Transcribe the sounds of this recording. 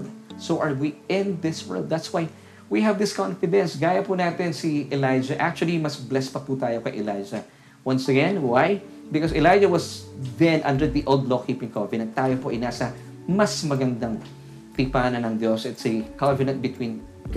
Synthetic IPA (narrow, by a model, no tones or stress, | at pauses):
d̪̚soʔɐɹwiɪ̃nðɪswɛ̰˞lˠd̪̚ðɐt̪swaj | wiɦɐvd̪ɪskãnfɨd̪ɛ̃nsɡaːjɐpunaːt̪ɛnsiʔɛlajd͡ʒɐʔak̚t͡ʃuɐlimɐsblɛspɐput̪aːjokɐjʔɛlajd͡ʒɐ | wɐ̃nsɐɡɛ̃nwaj | bɪkɔsɛlajd͡ʒɐwɐsðɛ̃nʔɐ̰̃nd̪ə˞ðiʔolˠd̪lokipɪ̃ŋkɔvɨnɐ̃nt̪ːaːjopoʔɐjnaːsɐ | mɐsmɐɡɐnd̪aŋ | t̪ipaːnɐnɐŋd̪josɛt̪sikavɪnɐ̃nt̪̚bɪt̪wĩːn